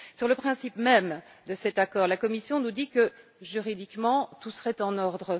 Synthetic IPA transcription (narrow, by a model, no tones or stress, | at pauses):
syʁləpχɛ̃sipmɛmd̪əsɛt̪akɔʁlakɔmisjɔ̃nud̪ikəʒyʁid̪ikmɑ̃t̪usəʁɛt̪ɑ̃nɔʁd̪ʁə